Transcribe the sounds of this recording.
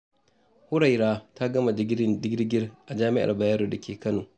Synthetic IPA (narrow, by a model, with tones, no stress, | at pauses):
hʊ˦ɽa˨jɾaː˦ta˦ɡɐ˦ma˨˦dɪ˦ɡʲɪ˦ɾɡʲɪ˦rʔa˨d͡ʒaː˦mɪ˦ʔa̰˨rba˨jaː˦ɾoː˨da˨kʲeː˨kɐ˦noː˨